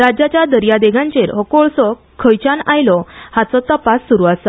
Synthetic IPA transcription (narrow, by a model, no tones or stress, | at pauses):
ɾad͡ʑat͡ɕjad̪əɾjad̪eɡʱãɲt͡ɕeɾɦəkoɭsɔkʰːəjt͡ɕanajlɔhat͡sɔt̪əpasːuɾuasə